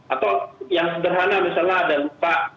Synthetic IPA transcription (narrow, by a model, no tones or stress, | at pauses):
ʔat̪awjaŋsəbərɦanamasalnaːdalupaʔ